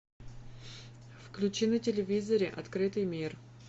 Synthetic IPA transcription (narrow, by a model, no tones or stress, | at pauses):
fklʲʉt͡ɕinətʲɪlʲɪvʲizəɾʲɪʔɐt̪kɾɨt̪ɨjmʲir